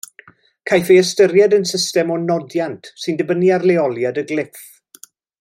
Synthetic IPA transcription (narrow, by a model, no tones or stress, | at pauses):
kʰajfeəstəɾjɛdənsɪstɛmɔnɔdjantʰsɨndəbəniarlɛɔlˠjadəɡlɪθ